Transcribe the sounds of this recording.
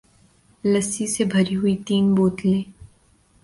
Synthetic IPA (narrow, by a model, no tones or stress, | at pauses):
lɐsisebʱɐɾiɦʊit̪iːnboːt̪lẽː